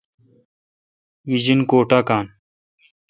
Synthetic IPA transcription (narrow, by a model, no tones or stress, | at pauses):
ʋid͡ʑinkoːʈaːkaːn